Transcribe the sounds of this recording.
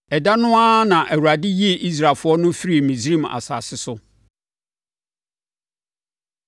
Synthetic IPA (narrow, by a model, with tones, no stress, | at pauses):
ɛ˨da˦nʊ̃˦a˦nã˨ʔɛ˨wu˨ɾa˨dɪ˦ji˦e˨ʔi˦s̬ɾaː˨fʊ˦ɔ˦nʊ̃˦fi˦ɾi˨mĩ˨sɾĩ˦˨ma̰˨sa̰ː˨sɪ˦sʊ˦